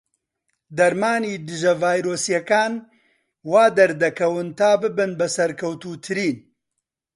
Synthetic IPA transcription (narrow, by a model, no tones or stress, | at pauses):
d̪ɐɾmaːniːd̪ɨʒɐvaːjɾoːsjɐkaːn | waːd̪ɐɾd̪ɐkʰɐwɨnt̪aːbɨbɨnbɐsɐɾkʰɐwt̪uːt̪ʰɨɾiːn